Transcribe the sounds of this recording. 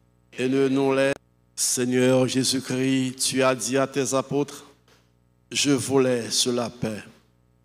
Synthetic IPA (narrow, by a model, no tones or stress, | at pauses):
enənɔ̃lɛ | seɲœʁʒezykχit̪yad̪iat̪ɛzapot̪χ | ʒəvulɛsəlapɛ